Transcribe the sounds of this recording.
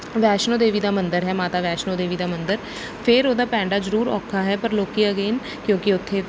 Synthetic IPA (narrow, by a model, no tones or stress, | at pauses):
ʋɛːʃnõːd̪eːʋiːd̪aːmə̃nd̪əɾɦɛːmaːt̪aːʋɛːʃnõːd̪eːʋiːd̪aːmə̃nd̪əɾ | pʰɪɾoːd̪aːpɛ̃ːɳɖaːzəɾuːɾɔ̰ːkʰːaːɦɛːpəɾloːkiəɡeːn | kjõːkɪʊt̪ʰːeː